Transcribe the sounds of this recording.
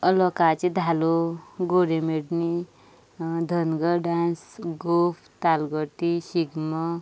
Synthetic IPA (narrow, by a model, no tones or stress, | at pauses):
əlɔkat͡ʃid̪ʱaloɡoɾemeɽni | d̪ʱənɡəɖansɡopʰt̪alɡəʈ̪isiɡmə